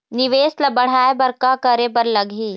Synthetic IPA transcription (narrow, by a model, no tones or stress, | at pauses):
nɪʋeːslɐbɐɽ̤aːebɐɾkakɐɾebɐɾlɐɡʱiː